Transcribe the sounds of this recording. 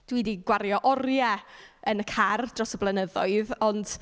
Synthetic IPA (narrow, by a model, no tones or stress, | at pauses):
d̥wiːdiɡwaɾjɔʔɔrjɛənəkʰard̥rɔsɔblˠənəðɔɨðɔnd̥